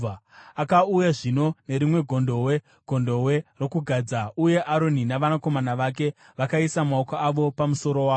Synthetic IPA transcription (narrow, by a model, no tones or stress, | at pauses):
akaujaʐino̞ne̞ɾimwe̞ɡʱo̞ndo̞we̞ | ɡ̥ʱo̞ndo̞we̞ro̞kuɡʱad͡zauje̞ʔaɾo̞ninaʋanako̞manaʋake̞ | ʋakaisamaokoaʋo̞pamuso̞ɾo̞waː